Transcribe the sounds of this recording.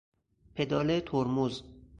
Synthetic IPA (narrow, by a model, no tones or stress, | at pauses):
pʰed̪ɒːlet̪ʰoɾmuz